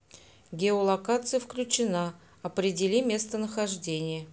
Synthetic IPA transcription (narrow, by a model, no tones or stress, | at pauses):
ɡʲɪolˠɐkat̪sɨjəfklʲʉt͡ɕɪna | ɐpɾʲɪdʲɪlʲimʲe̞st̪ənəxɐʐdʲenʲɪjə